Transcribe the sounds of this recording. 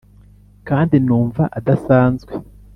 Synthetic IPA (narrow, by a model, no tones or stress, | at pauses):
kaːndinuːɱvaʔadasaːnzɡwe